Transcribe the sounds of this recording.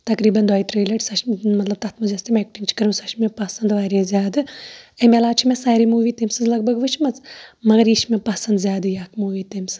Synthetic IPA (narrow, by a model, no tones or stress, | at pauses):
t̪ɐkɾiːbɐnd̪waːjt̪ɾeːlɐʈsɐʃmɐt̪lɐb̚t̪ɐt̪ʰmɐzʲɐst̪imʲek̚ʈint͡ʃʰi̥kɐɾumsɐʃmʲepɐsɐnd̪ʋaːɾezʲjaːd̪ɨɐmʲelaːt͡ʃʰimʲesaːɾimuːʋiːt̪emsɨzlɐɡ̚bʱɐɡʋɨt͡ʃʰmɐt͡smɐɡɐɾjiʃmʲepɐsɐnd̪zʲjaːd̪ɨjaːkmuːʋiːt̪emsɨ̥